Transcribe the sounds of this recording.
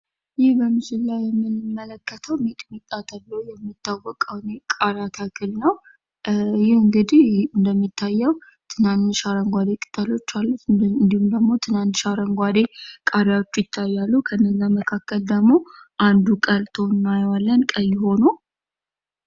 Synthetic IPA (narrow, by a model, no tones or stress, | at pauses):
jɪhbəmɨd͡ʒɪlːajjɛmːɨnɨmːələkːət̪ʰəwmet̪ʼmit̪ʼːat̪ʰəlːəwjɛmːit̪ːawːəkʼəwnekʼaɾat̪ʰakʰɨlnəw | jɪhɨŋɡɨd̪ihɨnd̪əmːit̪ʰːajːəw | t̪ʰɨnant̪ʃaɾəŋɡʷad̪ekʼɨ̥t̪ʰʼːəlo̞t͡ʃːalːuɨnd̪ihumd̪əɡmo̞t̪ʰɨnant̪ʃaɾəŋɡʷad̪e̞kʼaɾawot͡ʃːujɪt̪ʰːajːalːukʰəɨnːəzːaməkʰakːəld̪əɡmo̞ʔand̪ukʼəlt̪ʰonːajwalːənkʼəjːho̞nu